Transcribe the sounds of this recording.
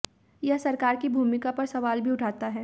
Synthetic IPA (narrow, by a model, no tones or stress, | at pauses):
jɐɦsɐɾkaːɾkibʱuːmɪkapɐɾsɐʋaːlbʱiʊʈʰaːt̪aɦɛː